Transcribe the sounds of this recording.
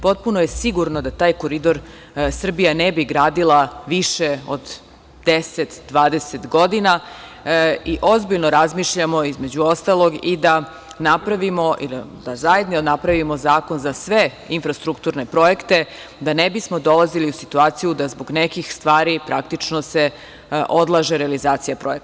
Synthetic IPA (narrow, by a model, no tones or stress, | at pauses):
po̞t̪̚punojesiɡuɾnod̪at̪aːjkoɾid̪o̞ɾ | sr̩bijanebiɡɾaːd̪ilˠaʋiʃeo̰d̪ | d̪eset̪d̪ʋaːd̪eset̪ɡo̞d̪ina | iʔo̞zbiʎnoɾazmiːʃʎamo̞izme̞d͡ʑuo̞st̪alˠo̞ɡid̪a | napɾaʋimo̞ʔḭlid̪azaed̪nonapɾaʋimo̞zaːko̞nzasʋe̞ | infɾast̪ɾukt̪uɾnepɾo̞jekt̪e̞ | d̪anebismo̞d̪o̞laziliusit̪uaːt̪sijud̪azboɡnekixst̪ʋaːɾipɾak̚t̪it͡ʃnose | ʔo̞d̪lˠaʒeɾealizaːt̪sijapɾojekt̪